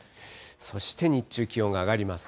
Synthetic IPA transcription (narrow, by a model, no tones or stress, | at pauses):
so̞ɕi̥t̪e̞ɲ̟it͡ɕːɨːkʲio̞ŋɡaːɡaɾʲimasɨ̥